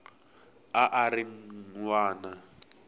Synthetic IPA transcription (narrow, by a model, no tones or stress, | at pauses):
aʔaɾiŋŋwaːna